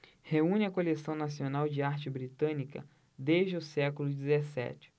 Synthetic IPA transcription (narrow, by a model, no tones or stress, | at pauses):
heũnɪɐkolesɐ̃w̃nasionawd͡ʒɪaɾt͡ʃɪbɾit̪ɐ̃nikɐ̰ | d̪eʒd͡ʒɪʊsɛkʊlʊd͡ʒizesɛ̰t͡ʃɪ̥